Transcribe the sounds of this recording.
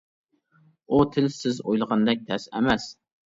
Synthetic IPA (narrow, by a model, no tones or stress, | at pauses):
ut̪ʰɪlsɪzojlˠʁɑnd̪ɛk̚ʲt̪ʰɛsæ̰mɛs